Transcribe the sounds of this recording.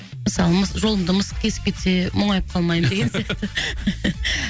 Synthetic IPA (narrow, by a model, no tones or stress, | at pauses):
məsɑlˠəməsʒo̞lˠəmd̪əməskʲʰe̞sɪ̥p̚kʲʰe̞t̪se̞moɴɑjəp̚qʰɑlˠmɑjəmd̪e̞ɡʲensjɑq̚t̪ə